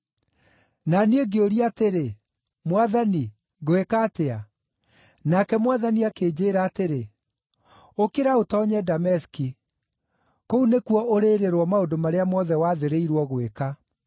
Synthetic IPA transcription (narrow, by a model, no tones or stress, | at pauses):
naneɡeoɾiateɾe | mwaðani | ɣwekaːtea | nakɛmwaðaniakeːd͡ʑeːɾaːteɾe | okeɾaotɔːɲɛdamɛski | kounekuɔoɾeɾeɾwɔmaodomaɾeamɔðɛwaːðeɾeiɾwɔɣoweka